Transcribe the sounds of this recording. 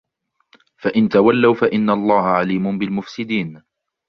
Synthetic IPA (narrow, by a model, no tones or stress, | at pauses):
faʔɪnt̪awalːawfaʔɪnːalˤːɑːhaʕaliːmʊnbɪlmʊfsɪd̪iːn